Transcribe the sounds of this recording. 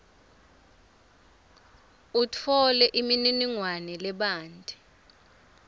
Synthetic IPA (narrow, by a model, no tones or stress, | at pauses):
utʰɔlɛʔimininiŋwanɛlɛɓaːntʼi